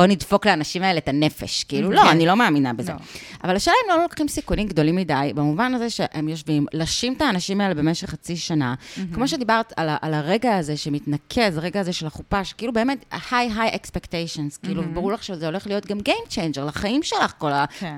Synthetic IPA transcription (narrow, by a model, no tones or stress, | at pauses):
bonidfo̞kleanaʃimaeletane̞fḛʃkiiːlulo̞anilo̞meːminabezḛa̰valaʃelaemlonolokχimsikunimɡd̪o̞limːidajbamuvanaze̞ʃeʔemjo̞ʃvimlaʃimtaːnaʃimaelebe̞meʃeχːat͡siʃanakmo̞ʃe̞d̪ibaʁtalaʔalaʁe̞ɡaːze̞ʃemitnakʰe̞zʁe̞ɡaːzeʃelaχupaʃkiilube̞ːme̞thajɦajʔekspektejʃonskiiːluvebaʁulaχʃezeo̞le̞χlijo̞tɡamɡejmt͡ʃejnd͡ʒeʁlaχaimʃe̞laχko̞la